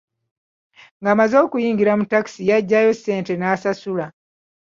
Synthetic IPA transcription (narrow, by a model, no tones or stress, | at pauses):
ŋɡaːmazo̞ːkujiːŋɡiɾamutaki̥sijaɟːajo̞sːe̞ːnte̞nasasula